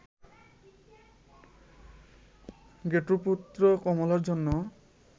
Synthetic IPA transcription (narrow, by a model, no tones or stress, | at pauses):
ɡeʈuput̪ːɾokɔmolaɾd͡ʑonːo